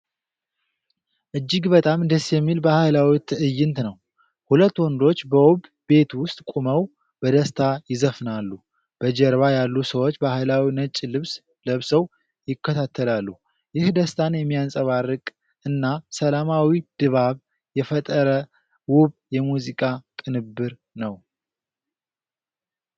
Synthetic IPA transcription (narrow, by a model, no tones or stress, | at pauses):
ʔɨd͡ʒːɪɡbət̪ʼamd̪əsjɛmːilbəhajlawit̪ʰɨʔɨjːɪnt̪nəw | hulət̪ːwɔnd̪o̞t͡ʃːbəwɔb | be̞t̪wʊst̪ʼkʼuməw | bəd̪əst̪ʰajɪzəfnalːu | b̥əd͡ʒɛɾβajalːusəwo̞t͡ʃːbəhajlawinət͡ʃʼːilɨβs | ləβsəw | jɪkːət̪ʰat̪ʰːəlalːu | jɪhd̪əst̪ʰanjɛmːijansʼəβarːɨkʼ | ɨnːasəlamawid̪̥ɨβaβ | jɛfət̪ʼəɾə | wʊβjɛmuzikʼakʼɨnɨbːɨɾ | nəw